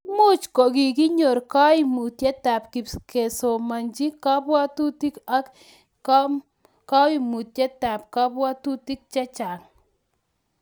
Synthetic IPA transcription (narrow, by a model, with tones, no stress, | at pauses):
mu˦t͡ʃkɔ˨ki˨ki˦ɲo˨ɾka˦i˨mu˨tjɛ˦ta˨pki˨pke˨so˨ma˨ɲd͡ʒi˦ka˦pwa˦tu˦ti˦ka˦k | ka˦i˦mu˨tjɛ˦ta˨p̚ka˦pwa˦tu˦ti˦k̚t͡ʃɛ˦t͡ʃa˨n